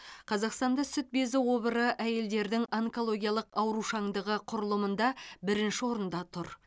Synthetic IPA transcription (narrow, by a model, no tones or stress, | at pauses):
qʰɑzɑqst̪ɑnd̪ɑsʏt̪̚be̞zɪwo̞bəɾəʔæje̞ld̪e̞ɾd̪ɪŋɑŋko̞lˠo̞ɡʲijɑlˠəqɑwɾuʃɑŋd̪əʁəqʰʊɾəlˠəmənd̪ɑbɪɾɪnʃɪwo̞ɾənd̪ɑt̪ʰʊɾ